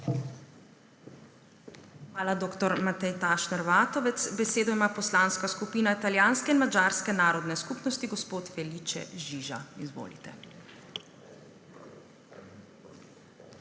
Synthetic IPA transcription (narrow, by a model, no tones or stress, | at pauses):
xmaːlad̪oːkt̪ɔɾmat̪ɛjt̪aːʃnɛɾʋaːt̪ɔʋɛt̪sbɛseːd̪ɔimaːpɔslaːnskaskupiːnait̪aljaːnskɛinmad͡ʒaːɾskɛnaːɾɔd̪nɛskupnɔst̪iɡɔspoːt̪fɛlit͡ʃɛ̰ʒiʒa̰izʋo̰ːlḭt̪ɛ̰